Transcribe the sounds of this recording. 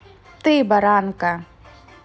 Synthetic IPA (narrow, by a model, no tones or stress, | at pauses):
t̪ebɐɾaːnka